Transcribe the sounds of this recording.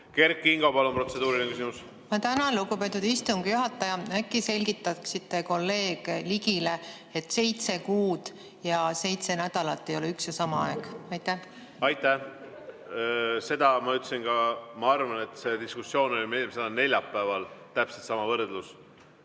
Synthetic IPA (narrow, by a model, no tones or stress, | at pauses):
ke̞rkːˑiŋɡ̥o̞pɑlompro̞t̪se̞d̪̥uːɾilnekysimus | ɑt̪ænɑluɡupe̞t̪ːˑud̪̥ist̪uŋɡ̥juɦɑt̪ːˑɑjɑækˑːise̞lʲɡit̪ːˑɑksit̪ːˑe̞ko̞lːe̞ːɡ̥eliɡile̞ | et̪ːˑse̞jt̪se̞kuːd̪̥ | jɑse̞jt̪se̞næd̪̥ɑlɑt̪ːˑejoleyksjɑsɑmɑɑe̞ɡ̥ɑjt̪ːæ | ɑjt̪ːˑæ | se̞d̪ɑmɑyt̪ːsinɡɑmɑɑrvɑne̞t̪ːˑse̞d̪iskusːjo̞ːno̞lʲmemsed̪ɑne̞lʲjɑpːæːvɑlt̪æpset̪sɑmɑvɤrd̪lus